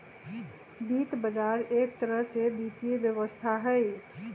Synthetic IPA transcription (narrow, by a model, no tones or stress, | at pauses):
bit̪bəd͡ʒaɾekt̪əɾəɦsebit̪iebjəʋəst̪ʰaɦəj